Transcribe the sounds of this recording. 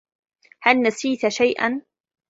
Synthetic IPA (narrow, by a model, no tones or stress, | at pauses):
halnasiːt̪aʃajʔa̰n